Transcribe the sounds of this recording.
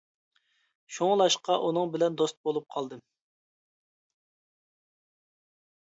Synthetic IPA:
ʃuŋlˠɑʃqɑʔunɨŋbɪlɛnd̪ost̪̚bolˠup̚qʰɑlˠd̪ɨ

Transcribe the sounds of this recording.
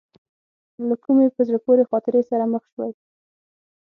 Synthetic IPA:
lakumepəzɽapoɾexɑt̪ɪɾesaɾaməxʃwaj

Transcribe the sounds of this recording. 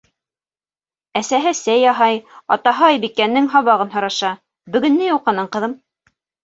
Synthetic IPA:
æsæɦɘsæjɑɦɑjɑ̰t̪ɑɦɤɑjbikːænːɘŋɦɑβɑʁɤnɦɤ̆ɾɑʃɑ | bɵ̆ɡɵ̆nːɘjuqːɑnɤɴqɤ̆ðɤm

